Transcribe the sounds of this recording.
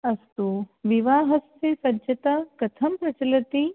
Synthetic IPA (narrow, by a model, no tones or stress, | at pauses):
ɐst̪uʋiʋaːɦɐst̪esɐd͡ʒɐt̪aːkɐt̪ʰɐmpɾɐt͡ʃɐlɐt̪i